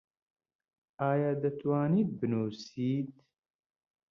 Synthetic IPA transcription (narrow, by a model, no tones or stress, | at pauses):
aːjaːd̪ɐt̪waːnibɨnoːsiːt̪